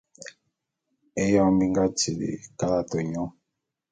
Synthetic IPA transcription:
e˦jɔ˦˨mbi˦ŋɡa˦ti˨lḭ˨ka˦la˦to˨ɲɔ˦

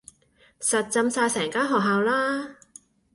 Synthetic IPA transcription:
sɐ˨t̚t͡sɐ˧msaː˧jsɛː˨˩ŋkaː˥nɦɔː˨k̚ɦaː˨wlaː˥

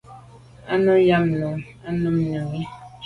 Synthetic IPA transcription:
a˦nɔ˦ja˦mnɔ˨ŋ | a˦nə˦m˦ɲə˨ŋi˦

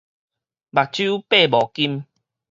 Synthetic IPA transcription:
ba˨˩k̚t͡ɕju˦pe˥˨bɔ˨˩ki˦m

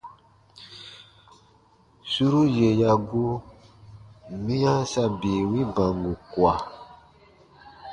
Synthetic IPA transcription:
su˦ɾu˦je˨ja˨ɡu˦ | mĩ˦jã˦sa˧biː˨wĩ˦bã˨ŋɡu˨kwa˨

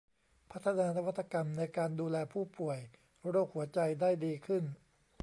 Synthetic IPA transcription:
pʰa˦˥t̪ʰːa˧naː˧na˧wa˦˥t̪ʰːa˧ka˧mna˧jkaː˧nduː˧lɛː˧pʰuː˥˩pu˨˩əj | ɾoː˥˩k̚hu˨˩˦ɐt͡ɕa˧jdaː˥˩jdiː˧kʰɯ˥˩n

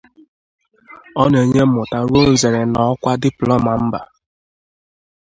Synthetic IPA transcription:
ɔ˦ne˨ɲe˦ʊ˨ta˦ɾu˦o˦n̩˦ze˨ɾe˨nɔ˨˦kʷa˦dɪ˦plɔ˦˨ma˨m̩˦ba̰˨

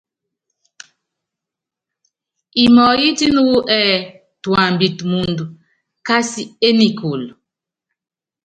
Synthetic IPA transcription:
i˨mɔ˨ji˦ti˦nu˦wu˦ʔɛ˦ | twa˨m˨bi˨tmu˨ndu˨ | ka˦si˦e˦ni˨kʰo˨l

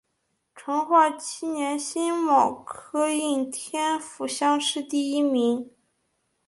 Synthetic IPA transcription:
ʈ͡ʂʰɤ˧˥ŋxwa˥˩t͡ɕʰi˥njɛ˧˥nɕi˥nwɑ˨˩ŋkʰɤ˥i˥˩ŋt̪ʰjɛ˥nfu˨˩ɕjɑ˥ŋʂɻ̩˥˧t̪i˥˩i˥mi˧˥ŋ

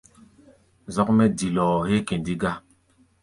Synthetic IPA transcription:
zɔ˦kmɛ˦di˨lɔː˨he˦ke˨ndi˦ɡa˦

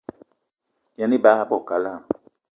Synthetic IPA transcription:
ja˨ni˦ba˦a˦bɔ˦˨ka˨˦la˦˨m

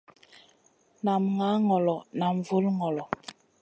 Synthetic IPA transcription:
na˨mŋa˨˦ŋɔ˨lɔ˨na˨m˨vu˦lŋɔ˨lɔ˨

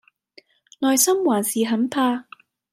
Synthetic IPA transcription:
lɔː˨jsɐ˥mwaː˨˩nsiː˨ɦɐ˨˥npʰaː˧

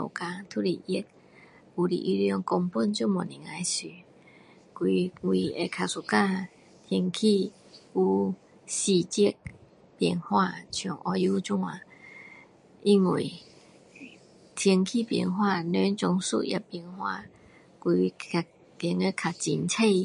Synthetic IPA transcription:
ɔ̰˨ka˧t̪ʰu˦li˨ʔi˦k̚ | u˧˩dḭ˨ʔi˧ljɔ˧ŋkɔ˧ŋpu˥˧˨nt͡ɕju˥˧˨mɔ˨˩˨ni˨ŋa˧jsi˨˩ | kwi˧ŋwi˧e˧kʰa˧su˧ka˥˧ | t̪ʰji˧ŋkʰi˥˧˨ | u˧ | ɕi˧t͡ɕi˦k̚ | pji˧ŋhwa˧t͡ɕʰjɔ˨˩ŋʔɔ˧ju˧˦t͡ɕũ˦ŋa˧ | ʔi˧ŋwḭ˨˩˨ | t̪ʰji˧ŋkʰi˥˧˨pjḭ˧ŋɦwa˧ne˧˦t͡ɕɔ˧ŋsṵ˧ʔja̰˧˨pjŋhwa̰˧ | ki˧a˨ | t̪i˧˦ŋe˧˦kʰa˨˩t͡ɕḭ˧nt͡sʰe˥˧˨j

